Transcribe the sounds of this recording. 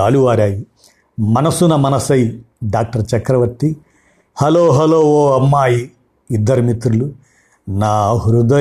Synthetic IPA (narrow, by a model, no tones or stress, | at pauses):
aːluʋaːɾaːji | mɐnɐsunɐmɐnɐsɐj | ɖaːk̚ʈɐɾt͡ʃɐkɾɐʋɐʈːi | hɐloːɦɐloːʋoːɐmːaːji | id̪ːɐɾimit̪ɾulu | naːɦuɾud̪ɐ